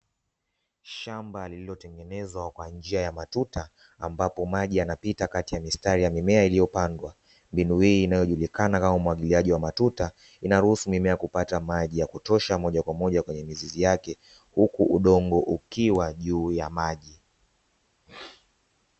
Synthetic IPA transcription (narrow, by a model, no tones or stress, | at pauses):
ʃambalililɔtɛŋɡɛnɛzwakwand͡ʒiajamatutaː | mbapɔmaʄianapitakatijamistaɾijamimɛailijɔpandwa | mbinuhiːnajɔʄulikanakamaumuwaɠiliaʄiwamatuta | inaɾuhusumimɛakupatamaʄijakutɔʃamɔʄakwamɔʄakwɛɲɛmizizijakɛ | hukuʔuɗɔŋɡɔʔukiwaʄuːjamaʄi